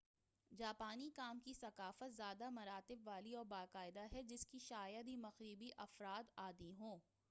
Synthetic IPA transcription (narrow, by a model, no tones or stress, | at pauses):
d͡ʒaːpaːnikaːmkisɐqaːfət̪zjaːd̪amɐɾaːt̪ɪbʋaːliɔːɾbaːqaːɪd̪aɦɛd͡ʒɪskiʃaːjəd̪imɐxɾiːbiʔɐfɾaːt̪aːd̪iɦõː